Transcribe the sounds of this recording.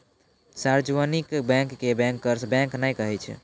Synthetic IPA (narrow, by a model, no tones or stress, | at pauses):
saɾd͡ʒʋənikbɛ̃ŋkːebɛ̃ŋkːəɾsbɛ̃ŋknajkəɦɛt͡ʃʰɛ̰